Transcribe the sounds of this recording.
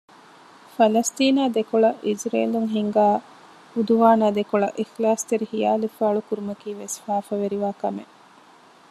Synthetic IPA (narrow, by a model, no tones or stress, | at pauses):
fɐlɐst̪iːnaːd̪ekuɭɐʔid͡ʒɾḛːluŋɦiŋɡaː | ud̪uʋaːnaːd̪ekuɭɐʔixlaːst̪eɾihijaːlefaːɭukuɾumɐkiːʋesfaːfɐʋeɾiʋaːkɐmḛ